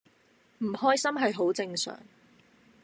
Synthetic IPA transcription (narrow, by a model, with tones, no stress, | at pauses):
m̩˨˩hɔː˥jsɐ˥mɦɐ˨jɦo˨˥wt͡sɪ˧ŋsœ̰ː˨˩ŋ